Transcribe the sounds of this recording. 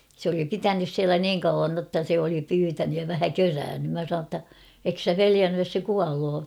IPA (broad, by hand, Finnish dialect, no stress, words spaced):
s oli pitænys siælæ niːŋ kɑuʋɑn notːɑ se oli pyːtænyj jɑ ʋæhæ køræːnːym mæ sɑnoː tːɑ ek sæ peliænːyj jos se kuɑloː